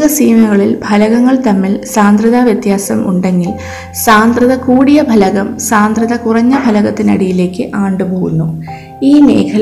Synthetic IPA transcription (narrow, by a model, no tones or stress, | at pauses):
ɣɐsiːmɐɣɐɭilbʱɐlɐɣɐŋːɐɭt̪ɐmːilsaːnd̪rɨðaːʋjɐt̪jaːsɐ̰mʔṵɳɖe̞ŋɡil | saːnd̪rɨðɐkuːɽijɐbʱɐlɐɣɐmsaːnd̪rɨðɐkurɐɲːɐbʱɐlɐɣɐt̪ːinɐ̰ɽijile̞ːkːɨʔaːɳɖɨboːɣunːu | iːne̞̰ːkʰɐl